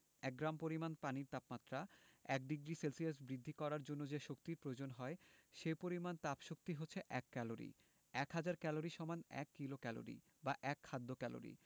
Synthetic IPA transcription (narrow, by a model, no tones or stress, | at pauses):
ɛk̚ɡɾampoɾimanpaniɾt̪apmat̪ːɾaɛk̚ɖiɡɾiselsias̬bɾid̪ʱːikɔɾaɾd͡ʑonːod͡ʑeʃok̚t̪iɾpɾoed͡ʑonɦɔeʃepoɾimant̪apʃok̚t̪iɦotːɕʰeʔɛkːɛloɾḭ | ɛkɦad͡ʑaɾkɛloɾiʃɔmanɛ̰kːilokɛlo̰ɾḭ | baʔɛkʰːad̪ʱːokɛlo̰ɾḭ